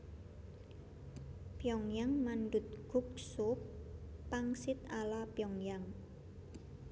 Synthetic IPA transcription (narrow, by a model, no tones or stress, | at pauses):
pjɔŋjaŋmanɖʊt̪̚ɡ̥ṳk̚sʊpːaŋsɪt̪alapjɔŋjaŋ